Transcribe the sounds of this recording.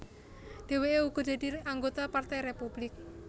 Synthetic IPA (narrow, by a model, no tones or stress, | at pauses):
ɖ̪̥e̤weeuɡ̥ɔ̤d̪̥e̤a̤d̪iaŋɡot̪apart̪ɛjɾepub̥lɪk̚